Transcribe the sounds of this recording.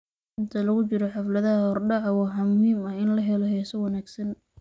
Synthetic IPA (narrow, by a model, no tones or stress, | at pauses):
ɪnt̪ʰɐlɐɣʊt͡ʃɪɾɔħɑflɐðɐɦɐhɔrɖɑʕɑwɑːħɑmʊhiːmɐhɪnlɐɦɛlɔɦɛsɔwɑnaːɡsɐn